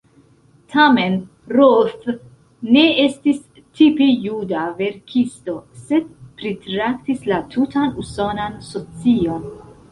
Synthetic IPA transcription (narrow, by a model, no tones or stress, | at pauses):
tʰame̞n | ɾolf | nːe̞e̞stis | tʰipejudave̞ɾkʰisto̞se̞d̚pɾitɾaktislatʰutanuso̞nansot͡sio̞n